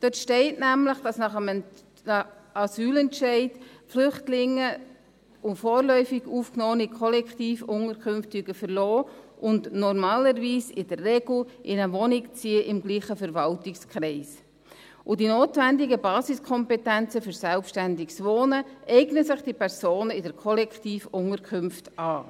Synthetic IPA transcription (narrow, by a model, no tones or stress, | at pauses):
d̥øtʃtɛɪtnæmləχd̥ɑsnɑχəm | ɑsyːlɛntʃɛɪd̥flʏχtlɪŋːə | ʊfɔːɾlœʏfɪɡuːfknɔːnɪkʰɔlɛkχtiːfʊŋəɾkʰʏmftiɡ̥əfəɾlɔː | ʔʊndnɔɾmɑːləɾʋiːsɪd̥ərːɛɡl̩ʔɪnəʋɔnɪkt͡siəʔɪmɡliːχəfəɾʋɑltɪkskɾɛɪs | ʔʊdinoːtvændɪɡəbɑːsɪskʰɔmpɛtɛnt͡səfʏɾsɛlpʃtændɪɡsʋoːnəʔɛɪɡnəsɪχd̥ipʰɛɾsoːnəɪdəɾkʰɔlɛktiːfʊŋəɾkʰχʏmftʔɑː